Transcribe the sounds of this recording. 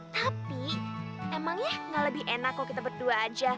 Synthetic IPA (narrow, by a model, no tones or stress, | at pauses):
t̪api | memaŋjaŋɡaləbɪhʔenakːakit̪abərduaːd͡ʒa